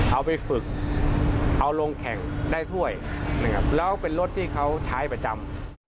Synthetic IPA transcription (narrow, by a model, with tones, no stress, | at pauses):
ʔa˧wpa˧jfɯ˨˩k̚ | ʔa˧wlo˧ŋkʰɛ˨˩ŋdaː˥˩jt̪ʰu˥˩əj | na˧˥˩kʰa˦˥p̚lɛː˦˥wpe˧nlo˥t̪ʰːiː˥˩kʰa˦˥wt͡ɕʰaː˦˥jpɾa˧t͡ɕa˧m